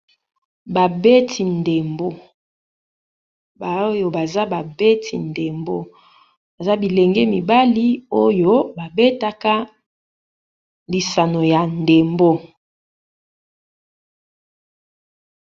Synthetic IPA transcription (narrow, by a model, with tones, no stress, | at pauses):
ba˨be˦tʰi˨nde˨mbo˦ | ba˨o˦jo˨ba˨za˦ba˨be˦tʰḭ˨nde˨mbo˦ | ba˨za˦bi˨le˨ŋɡɛ˦mi˨ba˦li˦o˦jo˦ba˨be˦ta˦ka˦ | li˨sa˨no˨ja˨nde˨mbo˦